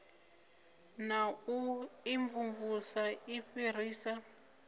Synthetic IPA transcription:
nauiɱvuɱvusaiɸir̤iːsa

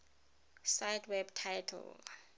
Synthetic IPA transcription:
sajdwɛbtʰajtʰɛ̰l

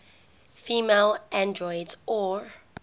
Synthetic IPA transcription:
fiːmelʔãndɹɔɪdzɔ

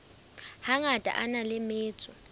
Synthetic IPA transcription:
haŋatʼa̰ʔanalɪmeːt͡sʼɔ

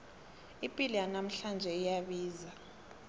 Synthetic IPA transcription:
ipʼilijanam̩ɬand͡ʒʱɛijaɓiːza

